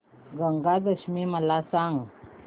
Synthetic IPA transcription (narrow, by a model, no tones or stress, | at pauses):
ɡəŋɡad̪əɕmiməlasaŋɡ